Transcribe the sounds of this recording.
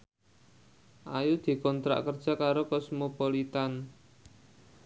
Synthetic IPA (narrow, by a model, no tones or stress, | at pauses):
ʔajud̪̥i̤kɔnt̪ɾa̰ʔkərd̥ʒ̥a̤kaɾokɔsmopolit̪an